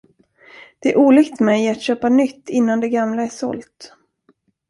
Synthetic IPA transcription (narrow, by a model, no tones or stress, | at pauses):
d̪̥ɛæɾʔuːlɪkt̪mɛjat̪ɕøːpanʏt̪ːɪnːand̪ɛɡamlaæʂɔ̰lt̪